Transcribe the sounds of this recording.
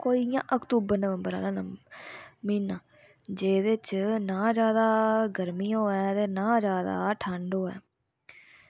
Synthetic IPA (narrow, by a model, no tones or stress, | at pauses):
koːiːjã̰ːʔəkt̪uːbəɾnəʋə̃mbəɾa̰ːlãːnə | miːnãː | d͡ʒeːd̪et͡ʃnãːd͡ʒjaːd̪aːɡəɾmiːõːɛːt̪eːnãːd͡ʒjaːd̪a̰ːʈʰəɳɖoːɛ̰ː